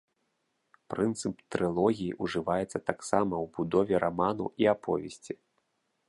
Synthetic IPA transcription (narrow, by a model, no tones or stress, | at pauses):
pɾɨnt̪sɨpt̪ɾɨlˠɔɣʲijiʔuʐɨvajɛt̪sːɐt̪aksamɐwbud̪ɔvʲɛɾʔamanṵʔiapɔ̰vʲɛsʲt͡sʲi